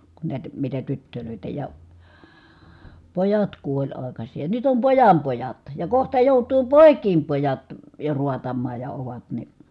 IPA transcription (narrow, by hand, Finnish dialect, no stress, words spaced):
ku næˑitæ̆ mitæ tytːøløˑitæ jɑ pojɑt kuolʲ ɑˑi̯kɑsʲiː jɑ nyt om pojɑm pojɑt jɑ kohtɑ joˑutˑuː poˑi̯kˑiːm pojɑt jo ruɑtɑmːɑːj jɑ oʋɑt ni